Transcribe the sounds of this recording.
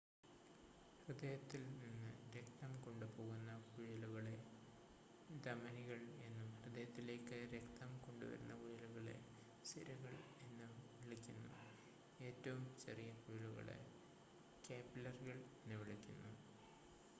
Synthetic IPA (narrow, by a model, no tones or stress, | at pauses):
hrɨd̪ɐjɐt̪ːilninːɨ̰ɾe̞k̚t̪ɐmko̞ɳɖupo̞ːɣunːɐkuɻɐluɣɐɭe̞ | d̪ɐmɐniɣɐɭe̞nːumhrɨd̪ɐjɐt̪ːile̞ːkːɨɾe̞kt̪ɐmko̞ɳɖṵʋɐ̰ɾunːɐkuɻɐluɣɐɭe̞̰ | siɾɐɣɐɭ | e̞nːɨʋiɭikʲːunːṵ | e̞ːtːɐʋumt͡ɕḛrijɐkuɻiluɣɐ̰ɭḛ | kaːpːilɐrɣɐɭenːɨʋiɭikʲːunːu